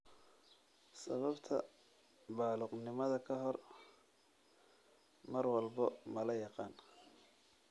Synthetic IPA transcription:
sɐβɐbt̪ʰɐ̰ | baːlʊqnɪmɐðɐkʰɐɦɔr | mɐrwɑlbɐmɐlɐjɑqɑːn

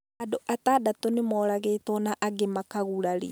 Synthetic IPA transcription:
adoʔataːdatɔnemɔːɾaɣeːtɔnaʔaɡemakaɣuɾaɾḭ

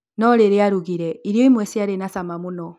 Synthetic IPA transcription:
nɔɾeɾeaɾuɣiɾɛiɾjɔimwɛsiaɾenasamamunɔ

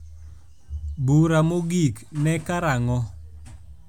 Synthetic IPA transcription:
buɾamoɡik | nɛkaɾaŋɔ

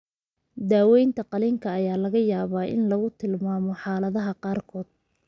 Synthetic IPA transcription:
d̪aːwɛjnt̪ʰɐqɑlɪːŋkʰɐɐjaːlɐɣɐjaːβaːʔɪ̰nlɐɣʊt̪ʰɪlmaːmɔħɑːlɐðɐɦɐqɑːrkʰɔːd̪̥̚

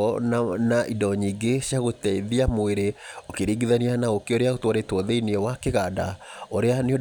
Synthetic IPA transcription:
ɔnaʔidɔɲiːɡeɕiaɣotɛiðiamoeɾeokeɾiːɡiðanianaokeoɾeaɣotwɔɾetwɔðeiniɛwakeɣada̰oɾeaneo

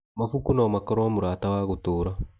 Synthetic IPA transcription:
mafukunamakɔɾɔamuɾaːtawaɣotoːɾa

